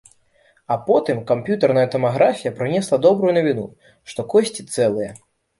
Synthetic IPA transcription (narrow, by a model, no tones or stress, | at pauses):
ɐpɔt̪ɨmkampʲjut̪ɐrnɐjɐt̪ɐmaɣɾafʲijɐpɾɨnʲɛslˠɐd̪ɔbɾujunɐvʲinṵ | ʂt̪ɔkɔsʲt͡sʲit̪sɛlˠɨjɛ